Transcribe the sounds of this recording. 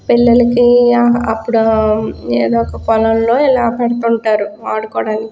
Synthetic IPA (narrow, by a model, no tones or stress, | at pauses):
pilːɐlɐkiɐpːuɽu | eːd̪oːɔkɐkɔlɐmlo̞ːilaːpɛɽɐt̪uɳʈaːɾuaːɽukɔːɽaːni